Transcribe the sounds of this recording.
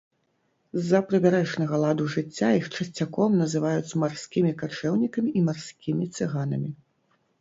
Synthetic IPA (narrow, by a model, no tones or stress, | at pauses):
zːɐpɾɨbʲaɾɛʂnɐɣɐlˠad̪uʐɨt͡sʲːajixt͡ʂɐsʲt͡sʲːakɔmnɐzɨvajut͡sʲmarsʲkʲimʲikat͡ʂɛwnʲikɐmʲiimarsʲkʲimʲit̪sɨɣanɐmʲi